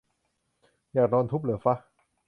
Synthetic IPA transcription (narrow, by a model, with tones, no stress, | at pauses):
jaː˨˩k̚nɔː˧nt̪ʰu˦˥p̚lɯ˩˦fa˦˥